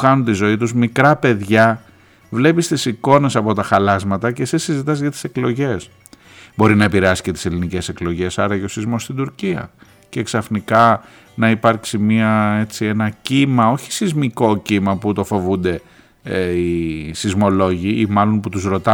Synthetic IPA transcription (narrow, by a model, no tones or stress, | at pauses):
xɐnunt̪izo̞it̪uzmikɾɐpe̞ðʝɐ | vle̞pist̪isiko̞ne̞sɐpo̞t̪ɐxɐlɐzmɐt̪ɐce̞sisizit̪ɐzʝɐt̪i̥se̞klo̞ʝe̞s | bo̞ɾinɐepiɾeɐsi̥ce̞t̪i̥se̞linice̞se̞klo̞ʝe̞sɐɾɐʝo̞sizmo̞st̪id̪uɾciɐ̰ | ce̞ksɐfnikɐ | nɐipɐɾksimiɐe̞t͡sie̞nɐcimɐo̞çi̥sizmiko̞cimɐput̪o̞fo̞vund̪e̞ | isizmo̞lo̞ʝiimɐlo̞nput̪uzɾo̞t̪ɐ